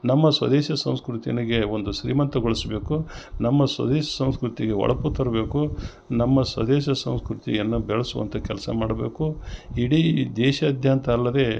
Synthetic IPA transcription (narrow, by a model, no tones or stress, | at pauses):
nɐmːɐsʋɐ̰d̪ɛːʃɐsɐ̃w̃skɾut̪ijɐniɡe̞o̞nd̪uʃɾḭːmɐnt̪ɐɡɔɭisbe̞ːkunɐmːɐsʋɐ̰d̪eːʃɐ̥sɐw̃skɾut̪iɡe̞ɔ̰ɭɐput̪ɐɾɐbe̞ːku | nɐmːɐsʋɐ̰d̪ɛːʃɐsɐ̃w̃skɾut̪ḭjɐnːubɛɭɐsuʋɐ̰nt̪ʰɐkɛlɐsɐ̰maːɽɐbeːkuiɽiːd̪ɛːʃɐːd̪ʱjaːnt̪ʰɐːlːɐd̪e̞ː